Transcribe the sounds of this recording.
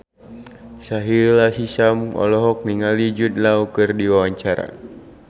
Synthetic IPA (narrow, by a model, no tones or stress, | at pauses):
saɦilasisamɔ̰lɔɦɔk̚niŋalid͡ʒut̪̚laukɨrdiwawaɲt͡ʃaɾa̰